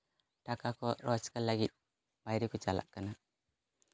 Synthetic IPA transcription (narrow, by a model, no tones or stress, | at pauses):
takakoɾot͡ʃkalaɡiɗ̚ | bajɾikut͡ʃala̰ʔkːəna